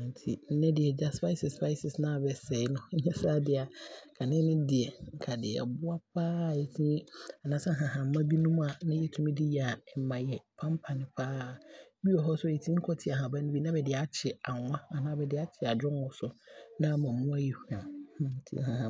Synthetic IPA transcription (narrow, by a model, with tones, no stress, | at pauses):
ã˨n̩˨tʰi˨n̩˦nɛ̃˦dɪ˨ɛ˨d͡ʑa˦sfa˦sɪ˨sfa˦ɪ˦sɪ˨snã˦˨bɛ˨sɛ˨˦ɪ˦nʊ̃˦ɲ̩˦ɲɛ̃˦saː˦dɪ˨a˨kʰa˨nɪ̃˦nʊ̃˦dɪ˨ɛ˨ŋ̩˨kʰa˨dɪ˨ɛ̰˨bʊ˦a˦p̚ʰaː˦˨e˨tʰĩ˦a˨nã˦sã˦ɦã˨ɦã˨m̩˦mã˦bi˦nũ˦m˦a˨nã˦jɛ˦tʰũ˦mĩ˦dɪ˦ja˨ɛ˨mã˨jɛ˨pʰã˦mpʰa˨nɪ̃˨pʰaː˦˨˦ | bi˦ɔ˨ɦɔ˦sʊ˦e˨tʰĩ˦ŋ̩˦kʰɔ˦tʰɪ˨a˨ɦã˨ba˦nʊ̃˦bi˦nã˦bɛ˨dɪ˨a˨˦t͡ɕʰɪ˨a˨ŋʷã˦a˨nãː˦bɛ˨dɪ˨a˦t͡ɕʰɪ˨a˨d͡ʑᶣɔ̃˦nwɔ˨sʊ˨nã˦mã˨mũ˦a˦ji˨hu˨ã˨n̩˨tʰḭ̃˦hã˨ɦã˨